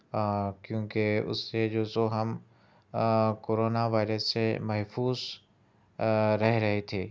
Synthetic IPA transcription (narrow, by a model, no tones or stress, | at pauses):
kjõːkeʊ̰sːed͡ʒoːsoɦɐm | koːɾoːnaʋaːɪɾəsːemɐɦfuːz | ɾɐɦeɾɐɦet̪ʰeː